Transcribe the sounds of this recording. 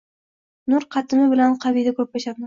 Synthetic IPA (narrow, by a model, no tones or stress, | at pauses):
nʊɾqʰɑt̪ʰɪmɪbɪlanqʰɑbid̪akʰɵp̚ːaʃad̪ma